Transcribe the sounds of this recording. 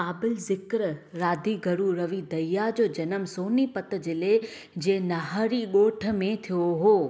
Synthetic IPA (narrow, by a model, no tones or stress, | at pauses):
aːbɪlzɪkɾɾaːd̪ʱiɡʱɐɾuɾɐʋid̪ɐjad͡ʑoːd͡ʑɐnəmsoːnipɐt̪d͡ʑɪle | d͡ʑẽːnɐɦəɾiɠoːʈʰə̆mẽt̪ʰijoɦoː